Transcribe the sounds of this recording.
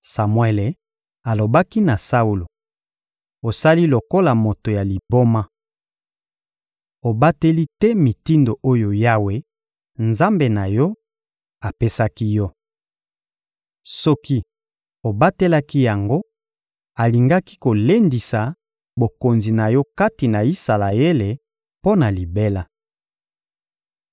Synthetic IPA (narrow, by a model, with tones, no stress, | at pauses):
sa˨mwɛ˦˨le˨ | a˨lo˨ba˦ki˦na˨sa˦u˦lo˨ | o˨sa˦li˦lo˨ko˦la˨mo˨to˨ja˨li˨bo˦ma˦ | o˨ba˦te˦li˦tɛ˦mi˨ti˦ndo˨ʔo˦jo˨ja˦we˦ | nza˦mbe˨na˨jɔ˦ | a˨pe˦sa˦ki˦jɔ˦ | sɔ˦ki˦ | o˨ba˦te˦la˦ki˦ja˨ŋɡo˦ | a˨li˨ŋɡa˦ki˦ko˨le˦ndi˨sa˨ | bo˨ko˨nzi˨na˨jɔ˦ka˦ti˨na˨i˦sa˨la˨je˦le˨ | po˦na˨li˨be˦la˨